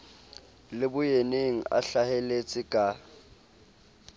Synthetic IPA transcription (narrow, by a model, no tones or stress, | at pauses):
lɪbʊjeneŋ̩a̰ɬahelet͡sʼɪkʼa